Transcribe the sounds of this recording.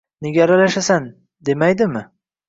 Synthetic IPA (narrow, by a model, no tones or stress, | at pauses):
neɡʲaːɾalaʃasan | d̪e̞majd̪ɪmɪ